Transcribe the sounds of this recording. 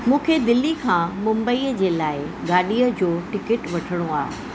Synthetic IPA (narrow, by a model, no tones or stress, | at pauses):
mũːkʰed̪ɪlːikʰãːmʊ̃mbəiːəd͡ʑeːlaːɪɡaːɗiːəd͡ʑoːʈɪkɪʈʋɐʈʰəɽ̃oaː